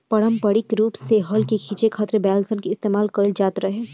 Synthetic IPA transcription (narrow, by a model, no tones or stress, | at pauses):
pɐɽəmpəɽɪkɾuːpseɦəlkekʰiːt͡ʃekʰaːt̪ɾebɛːlsənkeɪst̪eːmaːlkəld͡ʒaːt̪ɾəɦeː